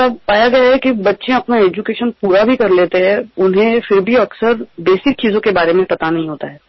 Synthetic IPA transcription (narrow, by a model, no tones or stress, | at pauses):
apaːjaɡɐjaɦɛkibɐtːʃẽɐpnaeːd͡ʒukeːʃənpuːɾabʱikɐɾleːt̪eɦɛ̃ʊnɦẽfɪɾbʱiɐksəɾbeːsɪk̚t͡ʃiːzõkebaːɾemẽpɐt̪anɐɦĩɦoːt̪aɦɛː